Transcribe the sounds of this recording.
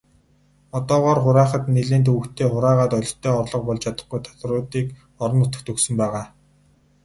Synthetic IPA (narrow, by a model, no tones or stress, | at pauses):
ɔt̪ɔːʁɔːrχʊɾæːχə̆t̪neɮeːnt̪̬uːkt̪ʰeːχʊɾæːʁaːt̪ɔɮ̆ʲt̪ʰːœːɔrɮɞ̆q̚pɔɮt͡ɕʰat̪ə̆χɡujt̪ʰḁt̪rʊːt̪iːk | ɔɾɞ̆nʊt̪ə̆k̚t̪ʰɵksɵ̆mpæːʁaː